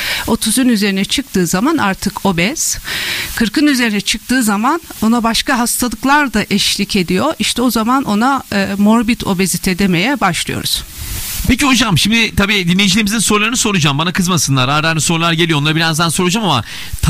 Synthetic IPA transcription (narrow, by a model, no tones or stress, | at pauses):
o̞t̪ʰuzunyze̞ɾinɛt͡ʃʰɯk̚t̪ʰɯːzamanʔa̰ɾt̪ʰɯkʰo̞bɛz̥kʰɯɾkɯnyze̞ɾinɛt͡ʃʰɯk̚t̪ʰɯːzamano̞nabaʃkaɦast̪ʰalˠɯklˠaɾd̪aʔɛʃlʲicʰe̞d̪ijo̞ʔiʃt̪ʰɛo̞zamanʔo̞namo̞ɾbit̪ʰo̞̰bezit̪ʰed̪eme̞jɛbaʃlˠɯjo̞̰ɾṵz̥ | pʰeciɦod͡ʒamʃimd̪ɪt̪ʰabiːd̪inʲːejid͡ʒilʲeɾimizinso̞ɾlˠaɾɯnɯsoɾud͡ʒambanakʰɯzmasɯnlˠaɾaɾd̪æɾmiso̞ɾlˠaɾɟe̞lʲijonˠaɾbiɾand̪ænso̞ɾud͡ʒamama̰ | t̪ʰ